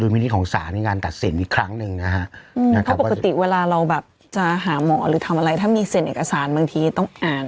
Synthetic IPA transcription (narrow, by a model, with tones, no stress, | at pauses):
duː˧mi˧ni˦˥kʰɔː˩˦ŋsaː˩˦nːi˧kaː˧nt̪a˨˩t̪̚si˨˩˦nʔiː˨˩kʰɾa˦˥ŋnɯ˨˧ŋna˦˥kʰa˦˥ʔʔɯː˧na˦˥˦a˦po˨˧˩ka˧˩˧t̪i˨˩weː˧laː˧ɾa˧wbɛː˨˩p̚ | t͡ɕa˨˩ɦaː˩˦mɔː˩˦ɾɯː˩˦t̪ʰa˧mʔa˧ɾa˧jt̪ʰaː˥˩miː˧se˨˩˦nʔeː˨˩ka˧saː˩˦nbaː˧ŋt̪ʰiː˧t̪ɔ˥˩ŋʔaː˨˩n